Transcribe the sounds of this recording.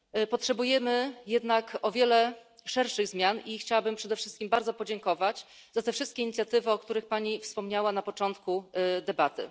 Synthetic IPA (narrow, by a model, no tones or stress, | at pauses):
pɔtʂɛbujɛmɘjɛd̪nakɔvʲjɛlɛʂɛɾʂɘɣzmʲjanixt͡ɕawabɘmpʂɛd̪ɛfʂɘst̪kʲimbaɾd̪ɔpɔd͡ʑɛŋkɔvat͡ɕ | z̥at̪ɛfʂɘst̪̚kʲɛiɲit̪sʲjat̪ɘvɘɔkt̪uɾɘxpaɲifspɔmɲawanapɔt͡ʂɔnt̪kud̪ɛbat̪ɘ̰